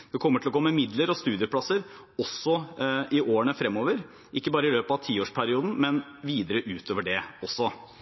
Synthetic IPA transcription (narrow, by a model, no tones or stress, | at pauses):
d̪ɛkʰɔmːəʈʰɪlɔɡoːmɛmɪd̪ləɾɔst̪ʉːd̪ɪəpʰlɑsəɾ | ɔsːɔɪʔoːəɳəfɾɛmːoːʋəɾ | ʔɪkːəbɑːɾəɪløːpɑʋt̪ʰiːoːʂpʰæɾɪuːd̪n̩mɛnʋiːd̪əɾəʔʉːt̪ʰoːʋəɖɛɔsːɔ